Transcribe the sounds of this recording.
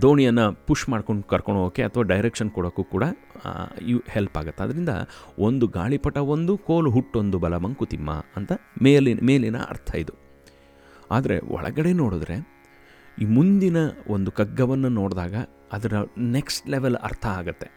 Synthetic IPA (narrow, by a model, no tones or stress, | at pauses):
d̪oːɳijɐnːɐpuʂmaːɖkoɳɖkɐɾkoɳɖoːkeɐt̪ʰɐʋaːɖɐjɾekʂɐnkɔɽoːkːuːkuːɽɐ | ihelpa̰ːɡɐt̪ːeɐd̪ɐɾind̪ɐ̰ʔo̞nd̪uɡa̰ːɭipɐʈːɐond̪uko̞ːluɦuʈːo̞nd̪ubɐlɐmɐŋkut̪imːɐ̰ɐnt̪ɐmeːlinmeːlinɐ̰ɐ̰ɾt̪ʰɐid̪u | a̰ːd̪ɐɾe̞̰ɔ̰ɭɐ̰ɡɐɽe̞no̞ːɽud̪ɾe̞̰ | iːmund̪inɐond̪ukɐɡːɐʋɐnːɐno̞ːɽd̪aːɡɐ | ɐd̪ɐɾɐneksʈleʋelɐ̰ɾt̪ʰɐaːɡut̪ːe̞